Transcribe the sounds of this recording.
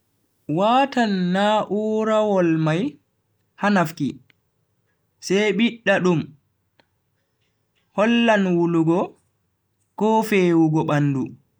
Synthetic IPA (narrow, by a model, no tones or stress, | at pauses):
waːtanːaːʔuɾawɔlmaj | hanafki | sɛjɓiɗːaɗum | hɔlːanwuluɡɔ | kɔfeːwuɡɔɓanːdu